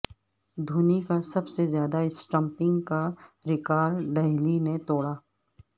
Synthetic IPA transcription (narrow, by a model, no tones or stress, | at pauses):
d̪ʱuːnikasɐbsezjaːd̪aɪsʈə̃mpɪ̃ŋɡkaɾɪkaːɾɖɛɦlinet̪ɔːɽaː